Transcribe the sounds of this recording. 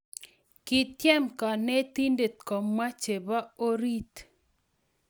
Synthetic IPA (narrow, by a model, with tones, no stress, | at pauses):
ki˨t̪jɛ˦mka˨ne˦t̪i˦nde˨t̪̚kɔ˨mwa˦t͡ʃe˨ba˦o˦ɾi˦t̪